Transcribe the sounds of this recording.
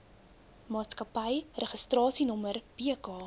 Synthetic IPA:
mɑːtskɐpəjrəχəstrɑːsinɔmərb̥iəkɑː

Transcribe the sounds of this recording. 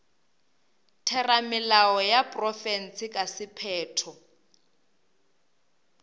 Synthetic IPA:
tʰɛramɪlaɔjapʼrɔfɛn̩t͡sɪkʼasɪpʰɛːtʰɔ

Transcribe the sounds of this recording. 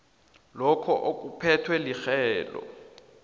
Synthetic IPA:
lɔkʰɔʔok̬ʼupʰɛtʰwɛlixɛːlɔ̰

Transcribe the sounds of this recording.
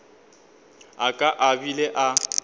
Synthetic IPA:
akʼaʔabileʔa

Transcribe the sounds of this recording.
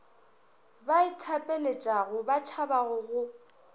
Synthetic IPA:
baitʰapʼelet͡ʃʼaɣʊbat͡ʃʰabaɣʊɣʊ

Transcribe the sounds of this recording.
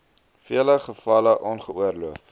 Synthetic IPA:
fiələχəfɐləʔɔnχəuərluəf

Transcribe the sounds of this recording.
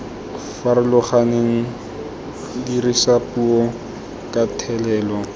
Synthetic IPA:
faɾɪlʊχaneŋ̩ | dirisapuɔ | kʼatʰɛlɛːlɔ

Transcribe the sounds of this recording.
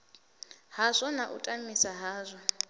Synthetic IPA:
ɦazʷɔnaʔutʼamisaɦaːzʷɔ

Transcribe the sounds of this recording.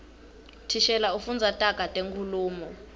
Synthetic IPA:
tʰiʃɛlaufund͡zʱatʼakatʼeŋkʰʼuluːmɔ

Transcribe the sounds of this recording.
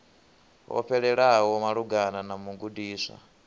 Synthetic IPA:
wɔ̰ɸʰɛɺɛɺawɔmaɺuɡananamuɡudiːsa̰

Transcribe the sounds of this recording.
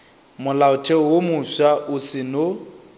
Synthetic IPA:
mʊlaʊtʰɛɔwomʊʃaʔʊsɪnʊ

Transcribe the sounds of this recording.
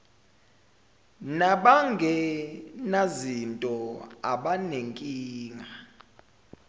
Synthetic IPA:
naɓaŋɡʱɛnazintʼɔaɓaneŋkʼiːŋa

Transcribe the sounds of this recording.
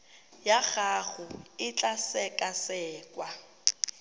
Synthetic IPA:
jaɣaɣʊɪt͡ɬʼasɛkʼasɛːkʼwa

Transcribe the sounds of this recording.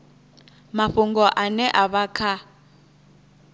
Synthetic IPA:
maɸuŋɡɔʔanɛʔaβakʰa

